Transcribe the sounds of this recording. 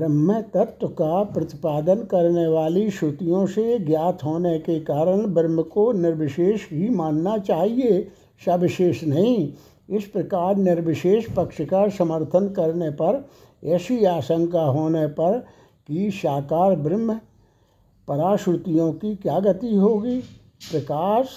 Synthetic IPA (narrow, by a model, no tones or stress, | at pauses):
bɾɪmət̪ɐt̪wəkapɾɐt̪ɪpaːd̪ənkɐɾneʋaːliʃʊt̪ijõseɡjaːt̪ʰɦoːnekekaːɾəɽ̃bɾɪməkonɪɾʋɪʃeːʃbʱimaːnːat͡ʃaːɦie | ʃabɪʃeːʃnɐɦĩ | ɪspɾɐkaːɾnɪɾʋɪʃeːʃpəkʃəkasəməɾt̪ʰənkəɾnepɐɾ | ɛːsiaːʃə̃ŋkaɦoːnepɐɾ | kiʃaːkaːɾbɾɪm | pəɾaːʃɾʊt̪ijõkikjaːɡət̪iɦoːɡiː | pɾɐkaːʃ